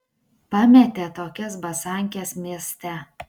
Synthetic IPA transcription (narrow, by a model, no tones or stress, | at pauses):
pɑmʲɛt̪ʲet̪oːkʲɛs̬bɐsɑˑŋʲkʲesmʲiɛsʲt̪ʲɛ